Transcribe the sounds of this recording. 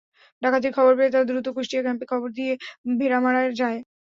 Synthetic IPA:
ɖakʰat̪̬iɾkʰɔboɾbeet̪aɾd̪ɾut̪okoʃʈiakɛmpekʰɔboɾd̪ijebʱeɾamaɽaɾd͡ʑae

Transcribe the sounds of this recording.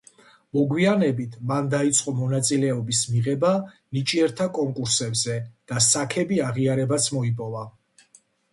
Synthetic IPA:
mɔɡwianɛbit̪ʰmand̪ait̪sʼqʼɔmɔnat̪sʼilɛɔbismiʁɛba | nit͡ʃʼiɛɾt̪ʰakʼɔŋkʼuɾsɛbzɛd̪̥asakʰɛbiaʁiaɾɛbat̪sʰmɔipʼɔva

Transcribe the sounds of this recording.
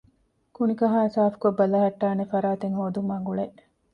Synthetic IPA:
kunikɐɦaːsaːfu̥kobːɐlɐɦɐʈːaːnefɐɾaːt̪eŋhoːd̪umɐŋɡuɭeʔ

